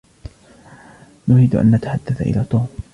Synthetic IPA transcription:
nʊɾiːd̪ʔa̰nːat̪aħad̪ːaθaʔɪ̰laːt̪ˤuːm

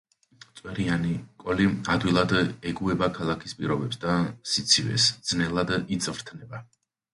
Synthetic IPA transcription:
t̪sʼwɛɾianikʼɔliad̪wilˠad̪ɛɡuɛbakʰalˠakʰispʼiɾɔbɛpsd̪asit̪sʰivɛ̰sd̪z̥nɛlˠad̪it̪sʼvɾt̪ʰnɛba

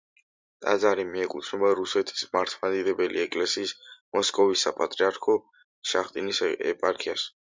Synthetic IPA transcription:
t̪ʼa̰d̪zaɾimiɛkʼut̪ʰnɔbaɾusɛt̪ʰi̥smaɾt̪ʰmad̪id̪ɛbɛlḭɛkʼlɛsiːsmɔskʼɔvisːapʼat̪ʼɾiaɾkʰɔ | ʃaχt̪ʼinisɛ̰pʼaɾkʰias

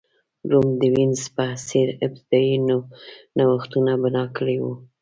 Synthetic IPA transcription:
ɾumd̪əwinzpəasiɾɪb̚t̪ɪd̪ɑjunonawaxt̪unabanɑkəɽewu

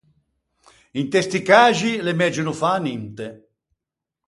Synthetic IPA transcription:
int̪est̪ikaːʒilemɛd͡ʒunufanint̪e

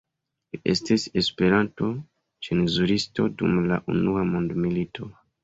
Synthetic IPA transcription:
iʔe̞stise̞spe̞ɾanto̞ | t͡ʃenzuɾisto̞dṵmla̰ʔṵnuamondmilitʰo̞

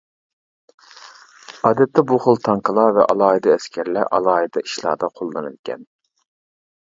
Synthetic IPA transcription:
ɑːd̪ɛt̪ʰːɛbuχʊlˠt̪ʰɑŋqʰəlˠɑvɛ̰ʔɑ̰lˠɑːid̪ɑɛskʲʰɛɾlɛʔɑ̰lˠɑːid̪ɑiʃlˠɑ̰ːd̪ɑqʰolˠːɨnɨ̰lkʲɛ̰n

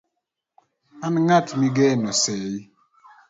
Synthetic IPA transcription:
anŋatmiɡɛnɔsɛi

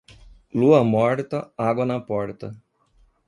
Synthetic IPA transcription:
luɐmɔɾt̪ɐaɡonapɔɽt̪ɐ̰

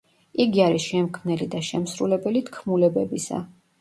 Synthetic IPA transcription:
iɡiaɾiʃɛmkʰmnɛlid̪aʃɛmsɾulɛbɛlit̪ʰkʰmulɛbɛbisa̰

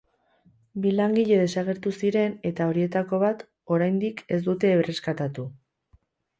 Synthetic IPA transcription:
bilaŋɡiʎe̞ð̞e̞saɣ̞e̞ɾt̪usiɾe̞ne̞t̪ao̞ɾie̞t̪ako̞β̞at̪ | o̞ɾajnd̪ike̞sd̪ut̪e̞ːβere̞skat̪at̪u

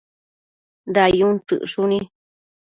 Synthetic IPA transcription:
ndajũt̪ɨ̰ʔʂunĩ

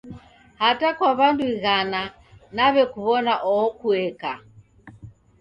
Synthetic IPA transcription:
hatakwaβanduiɣana | naβɛkuβɔnaʔɔɔkuɛka

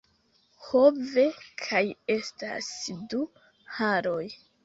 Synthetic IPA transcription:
ho̞ve̞kʰaje̞sta̰sdu | haɾo̞j

